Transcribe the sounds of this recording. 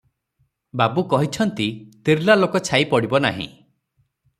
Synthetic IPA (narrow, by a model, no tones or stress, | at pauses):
babukɔɦit͡ʃʰɔnt̪it̪iɾlalokɔt͡ʃʰaipɔɽibɔna̰ɦḭ̃